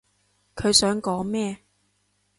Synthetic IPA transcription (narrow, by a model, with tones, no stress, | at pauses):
kʰɵ˨˧ɥsœː˨˥ŋkɔː˨˥ŋmɛː˥